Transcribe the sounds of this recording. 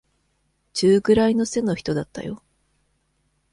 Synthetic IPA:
t͡ɕɨːɡɯ̟ɾaino̞se̞no̞çi̥t̪o̞d̪at̪ːa̰jo̞̰

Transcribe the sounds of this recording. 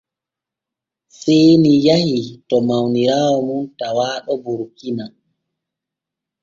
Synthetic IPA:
sɛjnijahitɔmawniɾaːwɔmuntawaːɗɔbuɾkina

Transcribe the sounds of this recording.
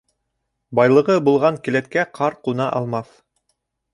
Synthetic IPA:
bɑjlˠɤ̆ʁɤbulˠʁɑŋkɘ̆læt̪̚kæqʰɑɾqunɑʔɑlˠmɑθ

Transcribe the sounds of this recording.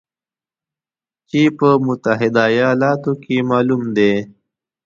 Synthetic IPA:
t͡ʃepəmʊt̪aɦɪd̪ajɑlɑːt̪okemɑːlumd̪e

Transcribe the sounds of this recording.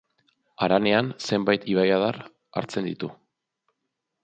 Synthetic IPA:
aɾane̞anse̞mbajt̪iβajaðar | a̰ɾt͡se̞nd̪it̪u

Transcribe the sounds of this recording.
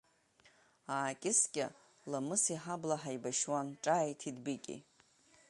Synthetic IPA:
aːkʲʼɪskʲʼɪ̰ | lamɨsiħablaħaijbaʃwanʈ͡ʂʼaːjtʰidbikʲʼḭ

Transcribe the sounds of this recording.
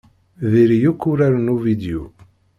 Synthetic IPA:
ðiɾjukːʊɾaɾnuvid̪jṵ

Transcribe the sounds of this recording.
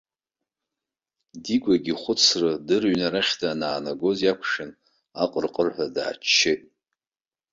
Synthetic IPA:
diɡʷaɡʲiχʷʊt͡sʰrɨdɨrɥnaɾaχʲdʰaːnaːnaɡo̞zjakʷʰʂɨn | aqʼərqʼərħʷada̰ːt͡ʃʰːɪtʼ

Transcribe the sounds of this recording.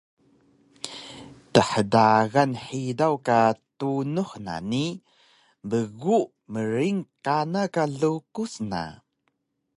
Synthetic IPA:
təħədaɣanħidawkatunuħna̰ni | bəɣuʔ | məɾiŋkanakaɮukusna̰

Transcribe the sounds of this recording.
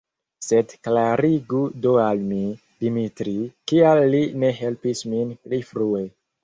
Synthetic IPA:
se̞dklaɾiɡudoalmi | d̥imitɾikialːine̞ɦe̞lpisminplifɾue̞

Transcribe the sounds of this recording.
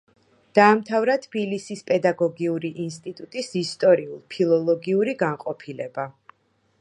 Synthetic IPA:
d̪̥aːmt̪ʰavɾat̪ʰb̥ilisispʼɛd̪aɡɔɡiuɾiʔinst̪ʼit̪ʼut̪ʼisist̪ʼɔɾiulˠpʰilˠɔlˠɔɡiuɾiɡaŋqʼɔpʰilɛba

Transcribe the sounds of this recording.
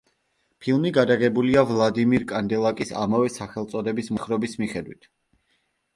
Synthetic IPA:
pʰilˠmiɡad̪aɡɛbuliavlˠad̪imiɾkʼand̪ɛlˠakʼisa̰mavɛsaχɛlˠt̪sʼɔd̪ɛbismχɾɔbismiχɛd̪wḭt̪ʰ

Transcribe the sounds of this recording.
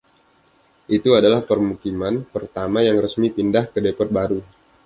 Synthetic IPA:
ʔit̪uadalahpərmukimanpərt̪amajaŋrəsmipindahkədepɔt̪̚baɾu

